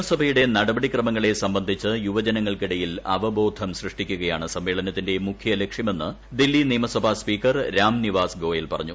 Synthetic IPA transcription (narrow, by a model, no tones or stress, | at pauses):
mɐsɐbʱɐjuɽe̞nɐɽɐbɐɽikrɐmɐŋːɐɭe̞sɐmbɐnd̪ʱit͡ɕːɨjuʋɐd͡ʑɐnɐŋːɐɭkiɽɐjilɐ̰ʋɐbo̞ːd̪ʱɐmɕrɨʂʈikʲːuɣɐjaːɳɨsɐmʋe̞ːɭɐnɐt̪ːinde̞mukʰjɐlekʂjɐme̞nːɨ | d̪ilːiniːmɐsɐbʱaspiːkːɐrɾaːmniʋaːsɡo̞ːjilpɐrɐɲːu